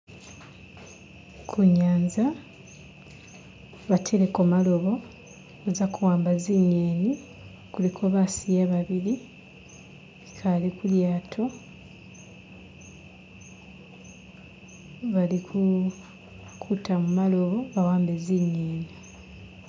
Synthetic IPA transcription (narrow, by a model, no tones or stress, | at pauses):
kʰuɲːaːnza | βatʰe̞ɾekomalo̞βo̞ | ozakuwaːmbaziɲːeːni | kulikʰo̞βasijaβaβiɾi | kʰalikuljaːtʰo̞ | βaliku | kʰutʰamumalo̞βo̞βawaːmbeziɲːeːni